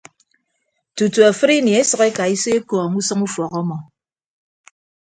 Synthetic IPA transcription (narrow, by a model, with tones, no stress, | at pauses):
tu˨tu˨a˨fɨ˦ɾi˦ni˨e˦sɨ˨ke˦ka˨i˦se˦kɔ˨ŋu˦sɨ˦ŋu˦fɔ˨kɔ˦mɔ˨